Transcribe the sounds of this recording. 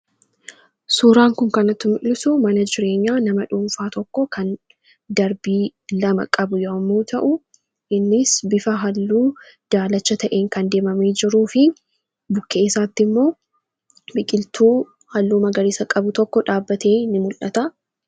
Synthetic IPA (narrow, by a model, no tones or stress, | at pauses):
suːɾaːŋkʊŋkɐnɐt̪ːʊmɪʔlɪsʊmɐnɐd͡ʒɪɾe̞ːɲːaːnɐmɐᶑuːɱfaːt̪ɔkːɔkʰɐn | d̪ɐɾbiːlɐmɐ̰kʼɐbʊjɐːmːuːt̪ʰɐʔʊ | ʔɪnːɪsbɪfɐɦɐlːuː | d̪̥aːlɐt͡ʃːɐt̪ɐʔe̞ːŋkɐnd̪e̞ːmɐmeːd͡ʒɪɾuːfɪ | bʊkːeːɪsaːt̪ːɪmːo̞ː | bɪkʼɪlt̪ʰuː | hɐlːuːmɐɡɐɾɪsɐkʼɐbʊt̪ɔkːɔᶑaːbːɐt̪ʰe̞ːnːɪmʊlʔɐt̪ɐ